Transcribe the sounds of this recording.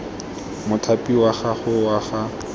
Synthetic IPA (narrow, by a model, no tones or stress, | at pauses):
mʊtʰapʼiwaχaχʊwaχa